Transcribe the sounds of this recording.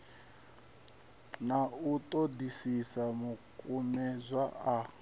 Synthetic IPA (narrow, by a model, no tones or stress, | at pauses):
nautʼodisisamukʼumɛzʷwaa